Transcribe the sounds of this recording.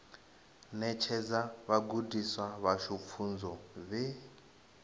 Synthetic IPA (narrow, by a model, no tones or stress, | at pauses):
nɛt͡ʃʰɛd͡zaβaɡudiswaβaʃup̪fʰund͡zɔβɛ